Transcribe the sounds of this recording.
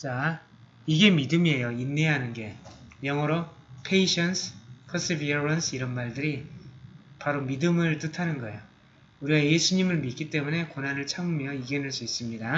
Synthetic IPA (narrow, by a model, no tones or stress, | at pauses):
t͡ɕa | iɡe̞midɯmie̞joinːeɦanɯnɡe̞jʌŋʌɾo | pʰe̞iɕʰʌnsʰpʰʌs͈ibiɾʌnsʰɯiɾʌnmaɭdɯɾi | paɾomidɯmɯɭt͈ɯtʰanɯnɡʌejo | uɾiɡaje̞sʰuɲimɯɭmit̚k͈it͈e̞mune̞konɦanɯɭt͡ɕʰaŋmjʌiɡenɯɭs͈uis͈ɯmɲida